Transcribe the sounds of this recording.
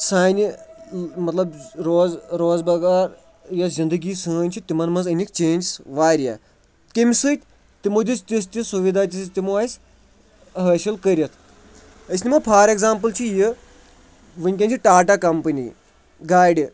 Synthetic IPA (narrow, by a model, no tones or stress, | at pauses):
saːnʲi | mɐt̪lɐbɾoːzɾoːzbɐɡaːɾ | jazʲind̪əɡiːsɨːnʲt͡ʃʰit̪imɐnmɐnzɐnʲik̚ʲt͡ʃeːnʲd͡ʒsʋaːɾja̰ː | kemʲsɨːt̪ʲ | t̪imod̪ist̪ʲis̬t̪ʲisuʋid̪aːt̪ʲist̪imoaːsʲ | ɦəːʃɐlkɐɾɐt̪ʰ | ɐsʲnʲimɐpʰaːɾeɡzaːmpɨlt͡ʃʰiji | ʋɨnʲkʲɐ̃nʲt͡ʃʰiʈaːʈakɐmpɐnʲḭ | ɡaːjɖʲ